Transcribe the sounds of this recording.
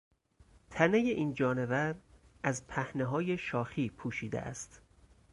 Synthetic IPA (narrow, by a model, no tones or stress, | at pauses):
t̪ʰæne̞je̞ʔiːnd͡ʒɒːne̞væɾʔæzpʰæhne̞ɦɒːje̞ʃɒːxiːpʰuːʃiːd̪ḛʔæ̰st̪